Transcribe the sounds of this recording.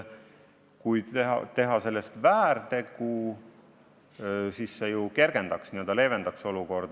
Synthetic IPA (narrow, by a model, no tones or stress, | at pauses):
kujd̪̥eɑ̰t̪e̞ɦɑse̞lːest̪væːɾt̪e̞ɡ̥u | sisːejuke̞ɾɡ̥e̞nd̪̥ɑksniø̞ld̪ɑle̞ːve̞nd̪̥ɑkso̞luko̞rd̪̥